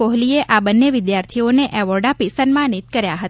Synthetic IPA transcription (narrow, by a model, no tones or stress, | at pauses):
oɦlieʔabənːeʋɪd̪jaɾt̪ʰioneʔɛʋɔɾɖapisənmanit̪kəɾjaɦət̪